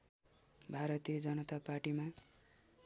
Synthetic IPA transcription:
bʱaɾʌt̪ijʌd͡zʌnʌt̪aparʈima

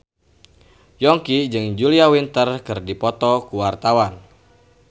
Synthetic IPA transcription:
jɔŋkid͡ʒɨŋd͡ʒuliawint̪ərkɨrdipɔt̪ɔkuwart̪awan

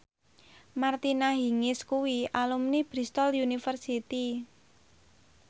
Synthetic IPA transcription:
mart̪inaɦiŋɪskuwiʔalumnib̥ɾist̪ɔljunifərsit̪i

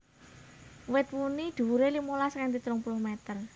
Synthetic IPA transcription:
wɪt̪̚munid̪̥ṳwuɾelimolaskant̪it̪ɾʊŋpulʊhmɛt̪ər

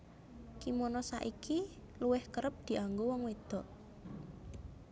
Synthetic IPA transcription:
kimonɔsa̰ʔiki | luwɪhkəɾəp̚d̪̥i̤ʔaŋɡowɔŋwed̪̥ɔ̤ʔ

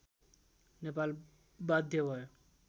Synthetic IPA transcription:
nepal | bad̪ʱjebɔe

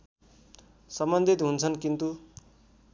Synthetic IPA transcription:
sʌmbʌnd̪ʱit̪ɦunt͡sʰʌnkint̪u

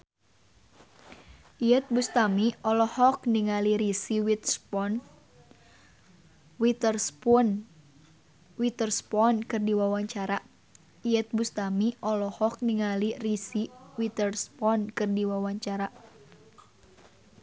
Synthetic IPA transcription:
ʔiət̪̚bust̪amiʔɔlɔhɔkniŋaliɾisiwit̪n | wit̪rpn | wit̪ərspɔnkɨrdiwawaɲt͡ʃaɾa | iət̪̚bust̪amiʔɔlɔhɔk̚niŋalirisiwit̪ərspɔnkɨrdiwawaɲt͡ʃaɾa

